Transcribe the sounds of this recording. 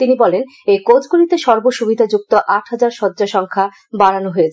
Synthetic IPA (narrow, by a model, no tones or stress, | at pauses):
t̪inibɔlen | ekod͡ʑɡuɾit̪eʃɔɾboʃubid̪ʱad͡ʑuk̚t̪oʔaʈɦad͡ʑaɾʃɔd̪ːd͡ʑaʃɔŋkʰa | baɽanoɦoet͡ɕʰ